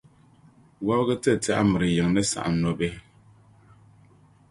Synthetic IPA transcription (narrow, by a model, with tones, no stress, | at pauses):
wa˦bɣɨ˦tɨ˦˨ta˦ʔa˦mɨ˨ɾɨ˨jɪ˨ŋnɨ˦sa̰˨ʔa̰˨nnɔ˦bɛ˦